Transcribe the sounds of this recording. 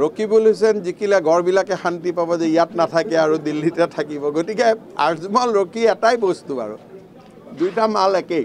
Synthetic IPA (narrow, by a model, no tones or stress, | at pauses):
ɹokibolus̬ɛnzikilɛɡɔɹbilakɛxantipabɔzɛijatnatʰakɛaɹudilːitɛtʰakibɔɡotikɛa̰ɹzmɔlɹokiɛtajbostua̰ɹṵ | dujtamalɛkej